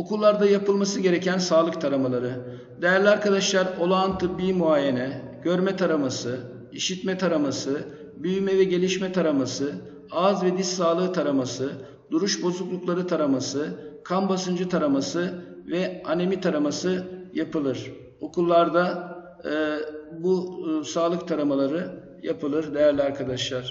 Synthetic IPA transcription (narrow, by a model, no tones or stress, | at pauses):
o̞kʰulˠːaɾd̪ajapɯlˠmasɯɟe̞ɾecʰænsaːlˠɯk̚t̪ʰaɾamalˠaɾɯ | d̪ejæɾlʲiaɾkad̪aʃlˠaɾo̞lˠaant̪ʰɯbːiːmuaːjenɛ | ɟøɾmɛt̪ʰaɾamasɯ | iʃit̪mɛt̪ʰaɾamasɯ | byjymɛvɛɟe̞lʲiʃmɛt̪ʰaɾamasɯ | azvɛd̪isaːlˠɯːt̪ʰaɾamasɯ | d̪uɾuʃbo̞zuklˠuklˠaɾɯt̪ʰaɾamasɯkʰanbasɯnd͡ʒɯt̪ʰaɾamasɯvɛanemit̪ʰaɾamasɯjapɯlˠɯɾ̥ | o̞kʰulˠːaɾd̪a | busaːlˠɯk̚t̪ʰaɾamalˠaɾɯ | japʰɯlˠɯɾd̪e̞jæɾlʲiaɾkʰad̪aʃlˠaɾ̥